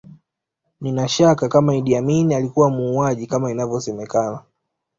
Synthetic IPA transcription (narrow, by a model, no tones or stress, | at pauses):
ninaʃakakamaiɗiaminialikuwamuːaʄikamainavjɔsɛmɛkana